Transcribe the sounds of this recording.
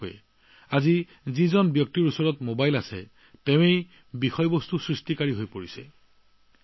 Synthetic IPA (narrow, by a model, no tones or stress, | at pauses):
jɛ | azi | zizɔnbjɔk̚tiɹusɔɹɔtmobajlasɛ̰ | teʊ̃ej | bixɔjbɔstusɹistikaɹiɦojpoɹisɛ̰